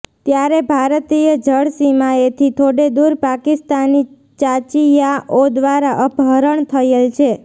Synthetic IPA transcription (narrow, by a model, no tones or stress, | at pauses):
t̪jaɾebʱaɾt̪ijəd͡ʒəɽsimaet̪ʰit̪ʰoɽed̪uɾpakist̪ani | t͡ʃat͡ʃijaʔod̪ʋaɾaʔəbʱəɾəɳt̪ʰəelt͡ʃʰe